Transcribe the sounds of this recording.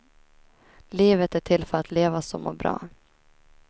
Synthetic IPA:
liːvət̪æʈʰɪlfœɾat̪leːvasɔmːɔ̰bɾɑ̰ː

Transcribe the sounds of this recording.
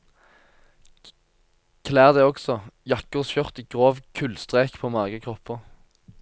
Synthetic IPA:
kʰlæːʁd̪ɛːɔɡsɔjɑkəʁsçœʁt̪iːɡ̥ʁoːʋkʰʉlst̪ʁeːkpʰoːmɑːɡəkʰʁɔpʰːəʁ

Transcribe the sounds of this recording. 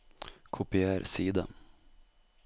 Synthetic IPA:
kʰʊpɪæːɾsiːd̪a

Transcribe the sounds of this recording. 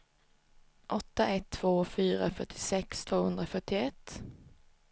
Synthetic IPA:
ʔɔt̪ːaʔɛt̪ʰːv̥oːfyːɾafœʈʰːɪ̥sɛkst̪ʰvoːhɵnd̪ɾəfœʈɪɛt̪ː

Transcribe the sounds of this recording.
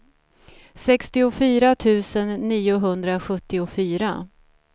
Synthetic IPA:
sɛkst̪ɪʊfyːɾat̪ʰʉ̟ːsənːiːʊɦɵnd̪ɾaɧɵt̪ːɪʊfyːɾa

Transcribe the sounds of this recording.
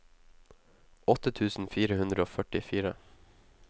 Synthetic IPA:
ʔɔt̪ət̪ʰʉːsn̩fiːɾəhʉnd̪ɾəoːfœʈɪfiːɾə̰

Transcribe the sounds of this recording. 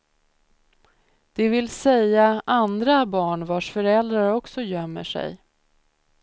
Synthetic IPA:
d̪̥ɛvɪlsɛjːaʔand̪ɾabɑːɳvaʂfœɾɛld̪ɾaɾɔksɔjœmːə̰ʂɛ̰j

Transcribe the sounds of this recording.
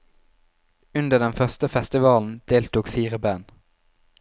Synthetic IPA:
ʉnd̪əd̪ɛnfœʁst̪əfɛst̪ɪʋɑːln̩d̪̥eːlt̪uːkfiːʁəbæːn

